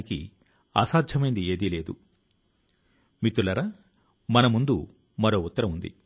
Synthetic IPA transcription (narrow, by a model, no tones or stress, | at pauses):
ikḭ | a̰ːsaːd̪ʱjɐmɐjind̪ieːd̪ile̞ːd̪u | mit̪ːulɐɾɐ | mɐnɐmund̪u | mɐɾo̞ːut̪ːɐɾɐmund̪ḭ